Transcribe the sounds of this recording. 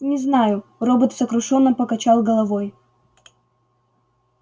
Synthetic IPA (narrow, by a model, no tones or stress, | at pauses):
nʲɪznajʊrobət̪səkɾʊʂonːəpəkɐt͡ɕalˠɡəlˠɐvoj